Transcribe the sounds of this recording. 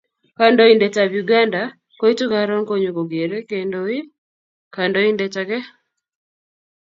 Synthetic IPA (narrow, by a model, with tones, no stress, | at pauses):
ka˨ndɔ˦i˨ndɛ˨ta˨bju˨ɡa˦nda˨ | ko˦i˦tu˦kaɾɔ˦ŋko˦ɲo˨ɡo˨ɡe˨ɾe˦ke˨ndoi˦ | ka˨ndɔ˦i˦ndɛ˦ta˨ɡɛ˦